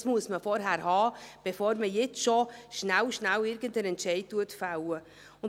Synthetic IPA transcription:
smuəsməfɔɾɦæɾhɑːb̥efoːɾməjɛt͡sʃoʃnæwʃnæwɪɾɡəndənɛntt͡ʃɛɪttuətfawə | ʊn

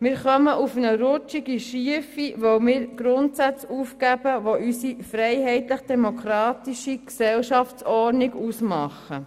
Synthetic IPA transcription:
mɪːɾχœməʔufənəɾʊt͡ʃiɡiʃiəfiʋɔwmɪːɾɡ̥ɾʊntsæt͡sufkæb̥əʋoʔysifɾɛjɦɛɪt̪ləχd̥̪ɛmokʰɾɑːt̪iʃiksɛlʃɑft͡ssɔɾniɡusmɑχə

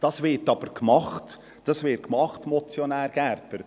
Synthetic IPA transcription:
d̥ɑsʋɪɾtɑb̥əɾkmɑχt | d̥ɑsvɪtkmɑχtmɔt͡sjonæːɾɡ̥æɾpəɾ

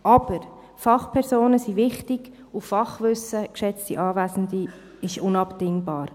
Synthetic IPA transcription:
ɑb̥əɾ | fɑχpʰɛɾsoːnəsivɪχtɪɡ̥ | uffɑχʋʏsəkʃɛt͡stiʔɑːvæːsn̩di | ɪʃʊnɑpd̥ɪŋbɑːɾ

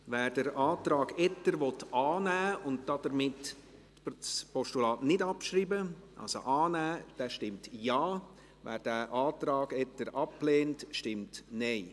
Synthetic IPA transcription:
vɛːɾdəɾaːtɾɑːɡɛtːəɾʋɔtaːnæːʊntd̥ɑd̥əɾmɪt | spɔʃtulɑːtnɪdɑpʃɾiːbəʔɑ̰lso̰ʔaːnæːd̥ɛːʃtɪmtjɑː | vɛ̰ːɾd̥ɛʔaːtɾɑːɡ̥ɛtəɾʔɑpleːntʃtɪmtneɪ

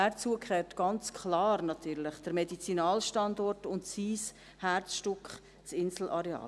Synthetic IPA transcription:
æɾt͡suəkʰχɛːtɡ̥ɑnt͡skʰχlɑːɾnɑtyːɾlɪχd̥əɾmɛdit͡sinɑːlʃtɑndɔrtʊntsiːs | hært͡sʃtʊkχ | t͡sɪnsl̩ʔɑɾɛɑ̰ː

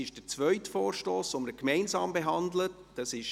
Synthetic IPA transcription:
ɪʃd̥əɾt͡sʋœʏtfɔːɾʃtoːsoməɾkmɛɪnsɑːmbeɦɑnd̪lətd̥ɑsɪʃ

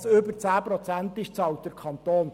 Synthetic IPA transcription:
søbərt͡sæːprɔt͡sænt̪ɪʃt͡sɑwt̚dəɾkʰχɑnt̪oːn

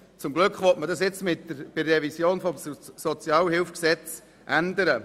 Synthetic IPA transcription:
t͡sʊmɡlʏkχʋɔtmədɑsjɪt͡smɪtːəɾb̥ɪrːɛvisjoːnfɔmsɔt͡sjɑːlhɪlfksɛt͡s | ʔænd̪əɾə

